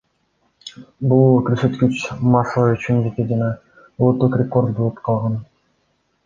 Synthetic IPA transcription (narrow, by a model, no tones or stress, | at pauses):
bulˠkɵɾsø̞t̪kyt͡ʃmɑsˠɑyt͡ʃynd͡ʒet̪ed͡ʒɑnɑ | olˠut̪ːuqrʲeko̞rd̪̚bolˠɯpqʰɑlˠʁɑn